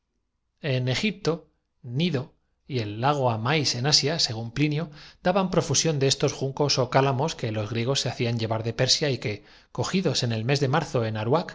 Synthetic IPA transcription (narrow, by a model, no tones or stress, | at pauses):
e̞ne̞xip̚t̪o̞ | niðo̞ | ie̞lːaɣ̞o̞amajse̞nasjase̞ɣ̞umplinjod̪̥aβampɾo̞fusjo̞nd̪e̞e̞st̪o̞sxuŋko̞so̞kalamo̞ske̞lo̞zɣ̞ɾje̞ɣ̞o̞sːe̞aθiaɲɟe̞βaɾðe̞pe̞ɾsjaike̞ | ko̞xiðo̞se̞ne̞lme̞zðemaɾθo̞e̞naɾwak